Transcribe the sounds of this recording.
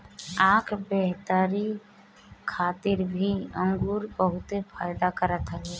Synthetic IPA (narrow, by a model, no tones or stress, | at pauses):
aːkʰbeɦt̪əɾi | kʰaːt̪ɪɾbʱiə̃ŋɡuːɾbəɦʊt̪epʰaːɪd̪akəɾət̪ɦəle